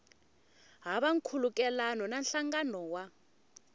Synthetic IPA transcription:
ɦaɓaŋ̩kʰulukʼɛlanɔnanɬaŋɡanɔwa

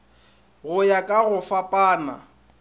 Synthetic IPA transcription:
ɣʊjakʼaɣʊfapʼaːna̰

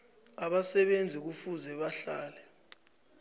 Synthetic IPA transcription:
aɓasɛɓend͡zʱik̬ufuzɛɓaɬaːlɛ

